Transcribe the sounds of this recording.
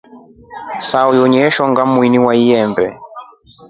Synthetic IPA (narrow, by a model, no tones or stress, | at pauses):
saɔjɔɲɛʃɔŋɡamwiniwaijɛmbɛ